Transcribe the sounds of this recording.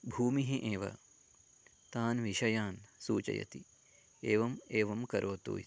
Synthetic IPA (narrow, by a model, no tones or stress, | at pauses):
bʱuːmiɦiʔeːʋɐ̰ | t̪aːnʋiʃɐjaːnsuːt͡ʃɐ̰jɐ̰t̪i | eːʋɐmeːʋɐmkɐɾʔoːt̪o̰ːi